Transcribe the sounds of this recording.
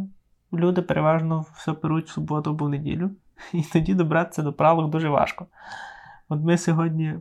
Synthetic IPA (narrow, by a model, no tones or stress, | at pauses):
lʲud̪ɪpeɾʔeʋɑʒnɔsʲɔpeɾutʲsʊbɔt̪ʊɔbʊwnedʲḭlʲʊ | it̪ɔdʲid̪ɔbɾɑt̪e̥t͡sʲːɐd̪ɔpɾɑlˠɔɡd̪uʒɛʋɑ̰ʃkɔ | ɔt̪mɪsʲɔɦɔdʲnʲi